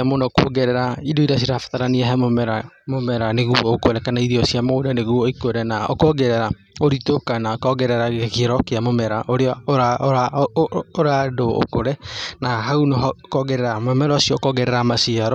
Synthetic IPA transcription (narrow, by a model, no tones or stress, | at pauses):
monakwo̰ɡɛɾɛɾaidoiɾas̬iɾafḁtaɾaniaɦɛmomɛɾamomɛɾaneɣuɔokoɾɛkanaiɾiɔsiamodaneɣuɔikoɾɛnaʔo̰kɔɡɛɾɛɾa | oɾitokanaokɔɣɛɾɛɾaɣekiɾɔkeamomɛɾaʔoɾeɔɾaɾa | oɾadoo̰koɾɛnaɦaunokɔɡɛɾɛɾamɔmɛɾasijɔːkɔɣɛɾɛɾamasiaɾɔ